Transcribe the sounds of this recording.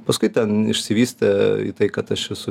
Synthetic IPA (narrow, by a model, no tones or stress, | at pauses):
pɐskʊɪt̪ʲɛnɪʃʲsʲɪʋʲiːsʲt̪ʲɛḭːt̪ɐɪkɐt̪ɐʃɛsʊ